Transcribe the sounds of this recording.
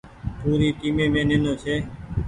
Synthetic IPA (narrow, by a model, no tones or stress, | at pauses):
puːɾiːʈiːmẽːmẽːneːnõːt͡ʃʰeː